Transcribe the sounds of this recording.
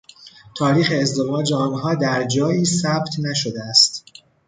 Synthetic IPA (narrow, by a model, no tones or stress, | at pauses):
t̪ʰɒːɾiːxe̞ːzd̪e̞mɒːd͡ʒeɒːnɦɒːd̪æɾd͡ʒɒːjiːsæbt̪ʰnæʃod̪eæst̪